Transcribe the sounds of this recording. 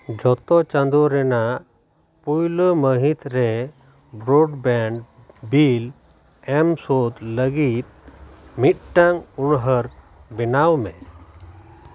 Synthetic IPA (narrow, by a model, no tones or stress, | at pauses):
d͡ʒɔt̪ɔt͡ʃand̪ɔɾɛnaʔ | pujləməɦit̪ɾɛ | bɾoɖbɛɳɖ | bil | ɛmsot̪ləɡit̪̚mit̪̚ʈaŋunɦəɾ | bɛnawmɛ